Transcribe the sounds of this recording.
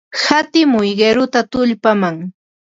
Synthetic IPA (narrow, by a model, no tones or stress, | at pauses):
hat̪ɪmʊjɢeɾʊt̪at̪ʊʎpamaŋ